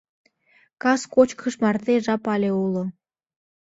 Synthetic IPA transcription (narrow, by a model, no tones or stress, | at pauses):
kɑskot͡ɕkʰəʃmɑrt̪eʒɑpɑlʲeulŏ